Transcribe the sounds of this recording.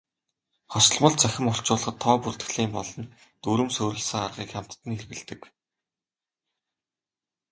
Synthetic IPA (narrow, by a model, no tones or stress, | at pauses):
χɔsɞ̆ɮmə̆ɮt͡sʰæxʲɪ̆mʊr̥t͡ɕʊːɮ̆ɞ̆t̪ʰːɔːpurt̪ɘ̆xɮiːmpɔɮɞ̆n | t̪uɾɘ̆msɵːɾɵ̆ɮsə̆ŋarʁiːkχam̥ʲt̪ːɘ̆nxerɣɘ̆ɮt̪ɘ̆k